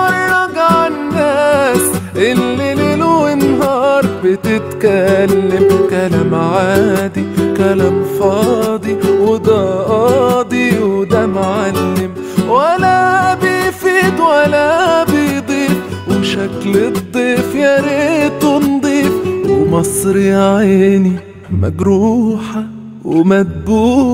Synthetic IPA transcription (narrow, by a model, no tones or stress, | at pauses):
ɑɾnɑɡʕanːasʔɪlːɪlɪluɪnɦɑːɾˤbɪt̪ɪt̪kalːɪmkalamʕaːd̪ikælamfɑːd̪ˤiwʊd̪ɑʔɑd̪iwd̪amʕalːɪm | wælæbifiːd̪wælæbid̪ˤiːf | weʃækled̪ˤːiːfjæɾet̪ond̪ˤiːfwwemɑsˤɾiʕaːni | mæ̰ɡɾuːħa | wemæd̪̚buː